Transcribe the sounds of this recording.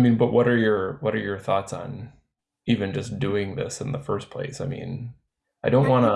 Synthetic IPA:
mĩnbʌʔ̚wʌɾə˞jə˞wʌɾə˞jə˞θɔtsn̩ | ivɨ̃nd͡ʒʌsd̥ʉɪ̃ŋðɪ̰sɨ̃nðəfɜ˞spʰl̥ḛɪsaɪmḭ̃n | aɪdõʊ̃nʔwɑ̃nə

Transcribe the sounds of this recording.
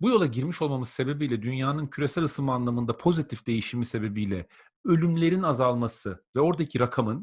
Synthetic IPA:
bujo̞lˠaɟiɾmiʃo̞lˠmamɯzse̞be̞bijlʲɛd̪ynjaːnɯncʰyɾe̞sælʲɯsɯmɯanlˠamɯnd̪apʰo̞zit̪ʰifd̪̥e̞jiʃimise̞be̞bijlʲɛ̰ | ølʲymlʲe̞ɾinazalˠmasɯvɛo̞ɾd̪acʰiɾakʰamɯn

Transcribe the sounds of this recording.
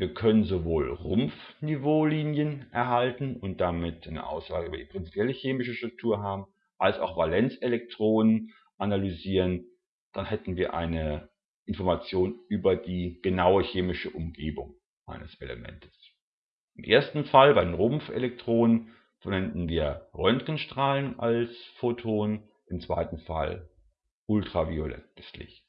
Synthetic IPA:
viːɐkʰœnənzovoːlʁʊmfnivoːliːnjənʔɛɐɦaltn̩ʊnt̚d̥amɪtaɪnə̰ʔa̰ʊsz̥aːɡəʔyːbɐdipʁ̥ɪnt͡si̥pjɛləçeːmɪʃəʃtʁ̥ʊk̚tʰuːɐɦaːbm̩ | ʔalsa̰ʊxv̥alɛnt͡selɛk̚tʁ̥oːnən | ʔanalyziːʁən | d̥anhɛtn̩viːɐʔa̰ɪnə | ʔɪnfɔɐmat͡sjoːnʔyːbɐdiːɡ̥ənaʊəçeːmɪʃəʔʊmɡeːbʊŋ | ʔa̰ɪnəselə̰mɛ̰ntʰə̥s | ʔɪmʔeːɐstn̩falbaɪenʁʊmfḛlɛk̚tʁ̥oːnən | fnɛndn̩viːɐʁœntkənʃtʁ̥aːləna̰lsfotʰoːn | ʔɪmt͡sv̥a̰ɪtn̩fa̰l | ʔʊltʁ̥aviolɛ̰ntslɪ̰ç

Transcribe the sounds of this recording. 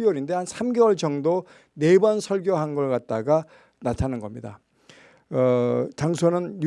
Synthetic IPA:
wʌɾinde̞hansʰamɡewʌɭt͡ɕʌŋdo | ne̞bʌnsʰʌɭɡjoɦanɡʌɭkat̚t͈aɡa | natʰanɯnɡʌmɲida̰ | ʌt͡ɕaŋsʰonɯnj

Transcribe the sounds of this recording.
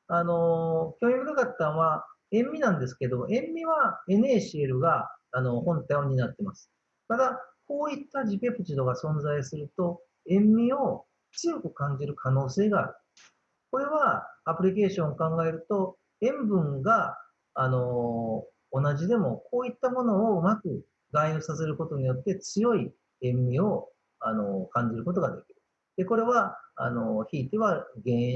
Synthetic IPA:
ano̞kʲomʲibɯɾɯkat̪ːãβa | ẽ̞mːʲinãnd̪e̞sɨ̥ke̞d̪o̞mo̰ʔẽ̞mːʲiβae̞ne̞ːɕie̞ɾɯ̟ɡaːno̞hõ̞nt̪ajoɲ̟inat̪ːe̞masɨ̥ | t̪ad̪ako̞ːit̪ːad͡ʑipʲe̞pɯ̟t͡ɕid̪o̞ɡasõ̞nzaisɨɾɯ̟t̪o̞ | ẽ̞mːʲio̞ | t͡sɨjo̞kɯ̟kãɲ̟d͡ʑiɾɯ̟kʰano̞ːse̞ːɡa̰ːɾɯ̟ | ko̞ɾe̞β̞aːpɯ̟ɾʲik̬e̞ːɕõ̞ŋ̃ːokãŋɡae̞ɾɯ̟t̪o̞ | ẽ̞mbɯ̟̃ŋɡaː | no̞ː | naʑid̪e̞mo̞ko̞ːit̪ːamo̞no̞ːmakɯ̟ | ɡaiɯsase̞ɾɯ̟ko̞t̪o̞ɲ̟ijo̞t̪ːe̞t͡sɨjo̞i | ẽ̞mːʲio̞ | ano̞kãɲ̟d͡ʑiɾɯ̟ko̞t̪o̞ɡad̪e̞kʲiɾɯ̟ | d̪̥e̞ko̞ɾe̞βaa̰no̞çiːt̪e̞βaɡẽ

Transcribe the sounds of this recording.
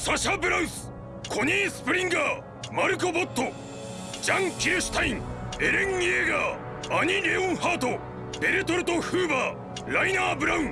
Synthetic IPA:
saɕabɯ̟ɾaɯ̃sɨ̥ | kʰo̞ɲʲiːsɨ̥pɯɾʲĩŋɡa | maɾɯ̟kobot̪ːo | d͡ʑãŋkʲiɾeɕɨ̥t̪aĩŋeɾẽŋieɡaː | ɲiɾeõɰ̃haːt̪o | b̥e̞ɾet̪oɾɯt̪oɸɯːbaː | ɾainaːbɯ̟ɾaɯ̃

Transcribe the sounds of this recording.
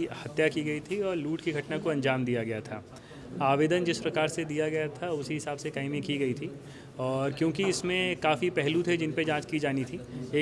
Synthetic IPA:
hɐt̪jakiɡɐit̪ʰiɔːɾluːʈkiɡʱɐʈnakoɐ̃nd͡ʒaːmd̪ijaɡɐjat̪ʰa̰ː | aːʋeːd̪ənd͡ʒɪspɾɐkaːɾsed̪ijaɡɐjat̪ʰaʊsiɦɪsaːbsekaːɪmĩkiɡɐit̪ʰi | ɔːɾkjõːkiɪsmẽkaːfipɛɦlut̪ʰed͡ʒɪnped͡ʒãːt͡ʃkid͡ʒaːnit̪ʰieː

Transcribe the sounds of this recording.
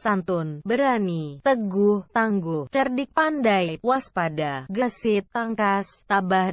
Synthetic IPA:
sant̪ʊnbəɾanit̪əɡuht̪aŋɡʊht͡ʃərdik̚pandajjwaspadaɡəsɪt̪aŋkast̪abah

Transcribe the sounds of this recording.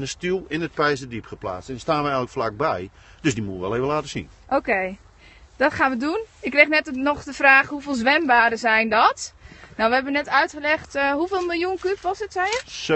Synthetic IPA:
nəstilˠɪnət̚pɛjzədipχəpla̰ːt͡stɛnstaːnʋɛɛjɣələkflak̚bɛj | d̥øsdimuəʋɛlˠeːvəlaːtəsḭnʔokej | d̥ɔtxaːnʋədunɪkːrɛxnɛtnɔxdəfraːxhufeːlˠzʋɛmbaːɾəzɛjndɔtnɔwʋəɦɛbənɛtœɥtχəlɛxtɦufeːlˠmɪlˠjunkypʋɔsətsɛjəs

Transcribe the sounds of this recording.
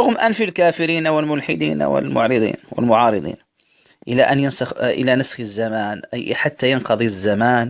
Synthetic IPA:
ɾʊɣmʔanfilkaːfɪɾiːnawɪlmʊlħɪd̪ḭːn̰wɪ̰lmʊ̰ʕɾɨd̪ˤḭːnwɪ̰lmʊʕɑːɾˤɨd̪ˤḭːn | ʔɪlaʔanjənsɑxʔɪ̰lanəsxəzːamaːnħat̪ːajɑnqɑd̪ˤizːamaːn

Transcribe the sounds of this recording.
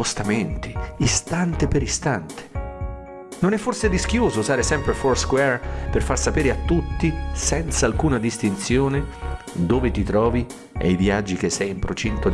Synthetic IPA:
ost̪ament̪i̥ist̪ant̪epeɾist̪ant̪e̥ | nonɛfːorsedisk̟joːzosaːɾesɛmpɾefɔrskwɛrperfarsapeːɾeat̪ːut̪ːisɛnt̪salkuːnad̪ist̪int̪sjoːned̪oːvet̪it̪ɾɔːvi | ḛjvjad͡ʒːik̟esːɛjimpɾot͡ʃint̪o

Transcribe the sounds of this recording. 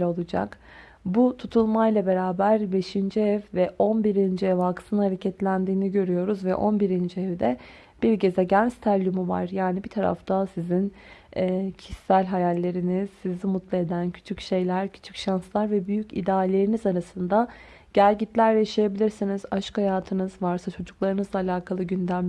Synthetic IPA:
olˠud͡ʒa̰k | but̪ʰut̪ʰulˠmajlˠabe̞ɾaːbæɾbe̞ʃind͡ʒiɛvvɛʔo̞nbiɾind͡ʒiɛvalˠkʰɯ̥sɯnhaɾecʰɛt̪lʲænd̪iːniɟø̞ɾyjo̞ɾuzvɛ̰ʔo̞nbiɾind͡ʒiɛvd̪ɛ | b̥iɾcezɛɟænzt̪ʰalʲːymuva̰ɾjaːnibit̪ʰaɾa̰ft̪ʰasizinː | cʰisːælʲɦajalʲːe̞ɾiniz̥ːizimut̪lˠae̞d̪æncʰy̥t͡ʃʰycʃe̞jlʲæɾcʰy̥t͡ʃʰy̥cʃanslˠaɾvɛbyjycḭd̪aːlʲe̞ɾinizaɾasɯnd̪a | ɟ̥ælʲɟit̪lʲæɾlɛjʃijebilʲiɾsinizaʃkhajaːt̪ʰɯnɯzvaɾsat͡ʃʰo̞d͡ʒuklˠaɾɯnɯzd̪ˠaːlʲaːkʰalˠɯɟynd̪æmlʲ

